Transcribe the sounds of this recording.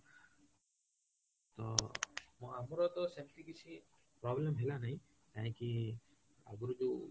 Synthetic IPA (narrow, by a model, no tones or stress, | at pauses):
t̪ɔmamɔɾɔt̪ɔsemt̪ikit͡ʃʰi | pɾɔblemɦelanaj | t̪aj̃ki | a̰ɡuɾɔd͡ʒu